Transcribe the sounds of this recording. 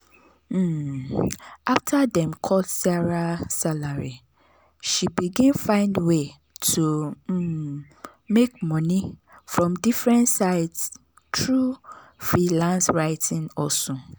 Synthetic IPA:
m̩ | ʔaftʰadɛ̃mkʰɔldsaɹasalaɹi | ʃibiɡĩnfãɪ̃ndwe | tʰum̩ | mek̚mɔ̃nĩfɹɔ̃mdifɹɛ̃ntsaɪds | tʰɹufɹilãnsɹaɪtʰɪ̃ŋɔsʊ̃

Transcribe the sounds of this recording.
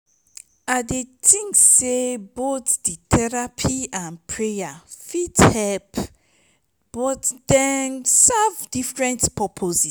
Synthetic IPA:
adetʰĩŋksebotditʰɛɹapʰiãnpʰɹejafithɛlp | b̥ɔtdɛnsavdifɹɛ̃ntpʰɔpʰozi

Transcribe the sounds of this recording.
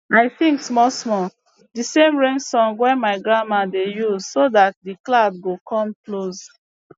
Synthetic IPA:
aɪθĩŋksmɔsmɔ | disẽmɹẽŋɡsɔ̃ŋɡwɛ̃nmaɪɡɹamadejuzsodat̚diklabɡokʰɔ̃mkloz

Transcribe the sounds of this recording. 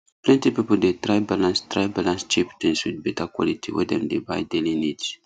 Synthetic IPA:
plɛ̃nt̪ipipold̪et̪ɾajbalãnst̪ɾajbalãnst͡ʃiptẽnswid̚bɛt̪akwɔ̰lit̪iwḭd̪ɛ̰̃md̪eba̰jd̪elinit

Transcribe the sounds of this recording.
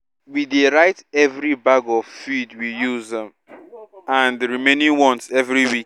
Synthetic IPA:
wideɹaɪtɛvɹibaɡɔvfidwijuzðɛ̃m | ãndɹimenĩŋwɔ̃ntɛvɹiwik̚

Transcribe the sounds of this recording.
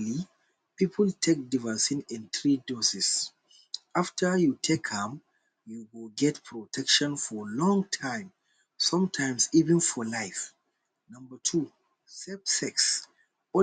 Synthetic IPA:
li | pipʰəltʰek̚divəsĩnɛ̃nθɹidɔsis | aftʰə˞jutʰekhɛ̃m | juwilɡɛtpʰɹɔtʰɛkʃɔ̃nfɔlɔ̃ŋtʰãɪ̃m | sʌ̃mtʰãɪ̃msivɛ̃nfɔlaɪf | nʌ̃mbətʰu | sɛpsɛks | ɔ

